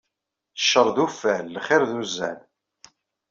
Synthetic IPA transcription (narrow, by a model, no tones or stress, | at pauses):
θəʃːəɾˤðufælːχɪɾðuzːæ̰l